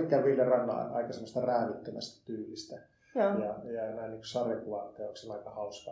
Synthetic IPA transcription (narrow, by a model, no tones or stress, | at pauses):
kkːælʋiljɑrɑnːɑ̰ɑ̰ikɑsemːost̪ɑræːʋit̪ːømæ̰st̪æ̥t̪yːlːist̪æ | jɑjɑnæˑinniːŋkusɑrekuʋɑnt̪ːeːoˑksenɑikɑhɑuskɑ